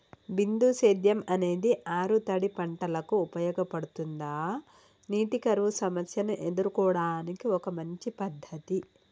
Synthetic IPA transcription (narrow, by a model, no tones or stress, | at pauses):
bind̪useːd̪jɐmɐne̞ːd̪iʔaːɾut̪ɐɽipɐɳʈɐlɐkuːpɐjɔːɡɐpɐɽut̪und̪aː | niːʈikɐɾʋusɐmɐsjɐnuʔed̪uɾukɔːɐɽaːnikiɔkɐmɐɲt͡ʃipɐd̪ʱːɐt̪i